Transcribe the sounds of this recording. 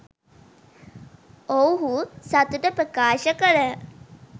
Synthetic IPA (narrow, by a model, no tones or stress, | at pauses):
owɦusat̪uʈəpɾəkaːʃəkəɾə